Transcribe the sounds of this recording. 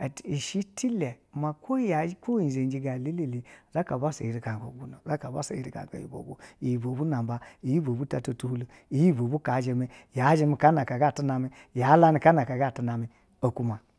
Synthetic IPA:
i˨ʃi˦ti˦le˨ma˨ko˦ja˨˦ko˦i˨ze˨nd͡ʒi˦ɡa˨li˦li˦li˨za˦ka˨ba˦sḛ˨ji˨ɾi˨ka˨ŋɡo̰˨ɡu˦no˨za˦ka˨ba˦sa̰˨jḭ˨ɾi˨ka̰˨ŋko̰˨jḭ˨bo̰˨ɡo˨i˨ji˨bo˨bu˦na˨mba˦i˨ji˦bo˨bu˦ta˨to˨tu˦hu˦lu˨ | i˨ji˦˨bo˨bu˦ka˨˦d͡ʒe˨me˦ja˨˦ʒe˦mi˨ka˦na˨ka˨ɡa˦˨tu˦na˨mi˦ | ja˨˦la˦ni˨ka˦na˨ka˨ɡa˦˨tu˨na˨mi˨ | o˨ku˦ma˨

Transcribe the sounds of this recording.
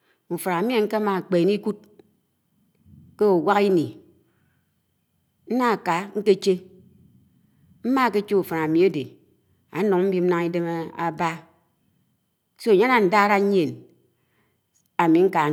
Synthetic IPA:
u˨fa˨ɾa˨mi˦e˦ŋ̩˦ke˦ma˨k͡pe˨ni˦ku˦t̚ | ke˦o˨wa˦ki˦ni˨ | n̩˦na˦˨ka˨ŋ̩˦ke˦t͡ʃe˦ | m̩˦ma˦˨˦ke˦t͡ʃe˦u˨fa˨na˨mi˨˦a˦de˨ | a̰˨˦no˨ŋ˦m̩˦bi˦m̩˦na˦ŋi˦de˦m˦a˨ba˦ | so˦˨ɲa˦na˨n̩˨da˦ɾa˦ɲ̩˦ɲe˨n | a˨mi˨˦ŋ̩˦ka˨

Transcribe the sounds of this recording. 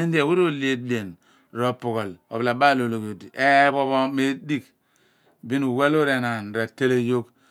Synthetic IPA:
i˦n˦de˨we˦ɾo˦le˦de˨n˨ | ɾo˦pu˨ko˨lo˨bla˨ba˦˨lo˨lo˨ko˨di˨e˦bo˦βo˦me˦di˦k | bi˦nu˨we˦lo˦ɾe˨na˨nɾe˨te˦le˦jo˦k

